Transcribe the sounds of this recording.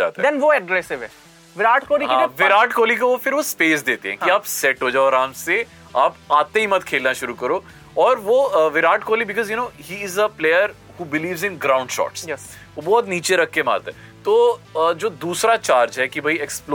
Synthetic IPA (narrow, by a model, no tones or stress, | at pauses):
d͡ʒa̰ːt̪ad̪ɛ̃nʋoɛɡɾɛsɪʋɛ | ʋɪɾaːʈkoːlikɦãʋɪɾaːʈkoːlikoʋofɪɾʋospeːs̬d̪eːt̪eɦɛ̰̃kiaːpsɛʈɦod͡ʒaːɔɾaːmse | aːpaːt̪ẽɦimɐt̪kʰeːlnaʃʊɾukɐɾoː | ɔːɾʋoʋɪɾaːʈkoːlibɪkɔzjunoːhiːɪzəpleːjəɾ | huːbɪliːʋzɪ̃nɡɾãʊ̃ɳɖʃɔ̰ːʈsjɛ | ʋobɔːt̪niːt͡ʃeɾɐkʰkema̰ːɾt̪aɦɛ | t̪oːd͡ʒoːd̪uːsɾat͡ʃaːɾd͡ʒɦɛkibʱɐiɛksp